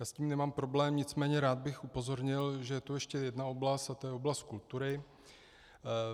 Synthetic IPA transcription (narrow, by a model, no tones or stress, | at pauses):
jaːsciːmnɛmaːmpɾo̞blɛːmɲɪt͡smɛːɲɛɾaːd̪̚bɪxʔupo̞zo̞ɾɲɪlʒɛjɛt̪ujɛʃcɛjɛdnaoblast̪at̪ojɛoblast̪̚kult̪uɾɪ